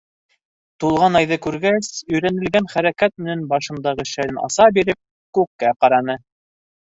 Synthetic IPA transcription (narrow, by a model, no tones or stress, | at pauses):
t̪ulˠʁɑnɑjðɤkʉɾɡæsɵ̆jɾænɘ̆lɡænχæɾækæt̪̚mɘ̆nænbɑʃɤ̆nd̪ɑʁɤʃæɾɘnɑ̰sɑbiɾɘp̚ | kʉkːæqɑɾɑnɤ